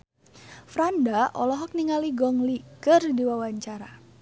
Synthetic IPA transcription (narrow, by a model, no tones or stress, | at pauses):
fɾandaʔɔ̰lɔɦɔk̚niŋaliɡɔŋlikərdiwawaɲt͡ʃaɾa